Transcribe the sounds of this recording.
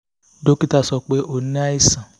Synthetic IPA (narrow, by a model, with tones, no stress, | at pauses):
do˦ki˦ta˨sɔ˨k͡pe˦ʔo˨n˦a˦i˦sã˨